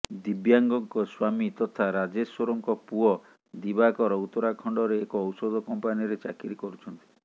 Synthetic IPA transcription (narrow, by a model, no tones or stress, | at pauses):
d̪ibjaŋɡɔŋkɔswamit̪ɔt̪ʰaɾad͡ʒeswoɾɔŋkɔpuɔ | d̪ibakɔɾɔut̪ɔɾakʰɔɳɖɔɾeːkɔːwsɔd̪ɔkɔmpanijɔɾet͡ʃakiɾikɔɾut͡ʃʰɔnt̪i